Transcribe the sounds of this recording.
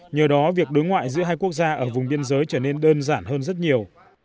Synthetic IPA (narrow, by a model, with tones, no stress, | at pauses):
ɲəː˨˩ɗɔ˨˦vi˨˩ək̚ɗo˨˦jŋwa̰ː˧˨jzɨ̰˧˥əɦaː˧jku˦˥ək̚zaː˧ʔəː˧˩vʊ˨˩ŋ͡mɓi˧ənzəː˨˦jt͡ɕəː˧˩ne˧nɗəː˧nzaː˧˩nhəː˧nzə˦˥t̚ɲi˨˩əw